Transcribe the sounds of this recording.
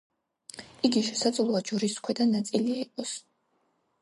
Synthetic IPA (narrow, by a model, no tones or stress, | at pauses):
iɡiʃɛsad̪zlˠuad͡ʒɔɾiskʰwɛd̪anːat̪sʼiliaiqʼɔs